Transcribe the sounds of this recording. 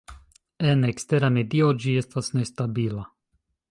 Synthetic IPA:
enekste̞ɾame̞dio̞d͡ʒie̞stasne̞stabila

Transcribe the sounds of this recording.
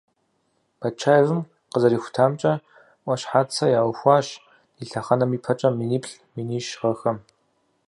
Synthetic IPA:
b̥ɐt͡ʃʰaːjvɨm | qəzɐɾiːxʷʊ̥tʰaːmt͡ʃʼɐ | ʔʷɐɕħaːt͡sʰɐjaːwxʷɑːɕ | iɬɐχɐnɐmiːpʰɐt͡ʃʼɐminiːpɬ | miniːʃʁɐxɐm

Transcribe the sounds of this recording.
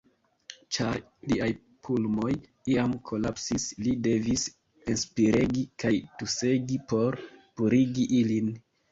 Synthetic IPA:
t͡ʃaɾ | liaj | pʰulmo̞j | iamkʰo̞lapsislide̞vis | enspiɾe̞ɡikajtuse̞ɡipo̞ɾpuɾiɡiʔilin

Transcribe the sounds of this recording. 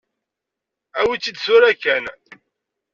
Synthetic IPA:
æwit͡sːid̪sʊɾækːæn

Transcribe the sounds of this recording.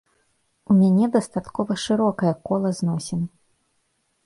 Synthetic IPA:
umʲanʲɛd̪ɐst̪at̪kɔvɐʂɨɾɔkɐjɐkɔlˠɐznɔsʲɛm

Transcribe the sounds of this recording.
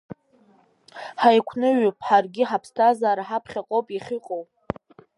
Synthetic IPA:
ħajkʷʰnɨɥpʼħarɡʲɪħapʰstʰazaːɾaħapʰχʲaqʼowpʼiχʲiqʼowpʼ

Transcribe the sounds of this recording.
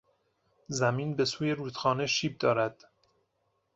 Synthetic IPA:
zæmiːnbe̞suːje̞ɾuːt̪xɒːneʃiːb̚d̪ɒːɾæd̪̥

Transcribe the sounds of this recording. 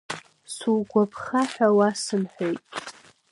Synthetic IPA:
suɡʷapʰχaħʷᶣawasɨmħʷᶣojtʼ

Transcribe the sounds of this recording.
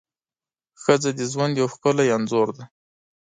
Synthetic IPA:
xəd͡zad̪əzwand̪jawxkəlajanzoɾd̪a

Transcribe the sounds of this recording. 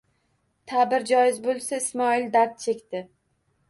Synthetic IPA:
t̪ʰabɪɾd͡ʒɒjɪzbolˠsaɪsmɒɪld̪aɾt̪̚t͡ʃʰe̞kʲt̪ɪ

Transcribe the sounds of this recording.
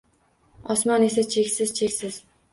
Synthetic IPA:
ɒsmɒnesat͡ʃʰekʲsɪz̥t͡ʃʰekʲsɪz̥

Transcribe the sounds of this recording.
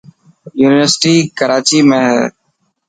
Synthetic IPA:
juːnɪʋəɾsʈiːkəɾaːt͡ʃiːmẽːɦɛ̰ː

